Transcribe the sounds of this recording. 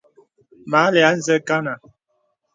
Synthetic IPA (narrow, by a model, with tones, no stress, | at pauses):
ma˨˦lɛ˨a˨˦n̩˦zə˦ka˦na˨